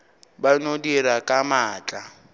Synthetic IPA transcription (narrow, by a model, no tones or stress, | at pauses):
banodiɾakʼamaːt͡ɬʼa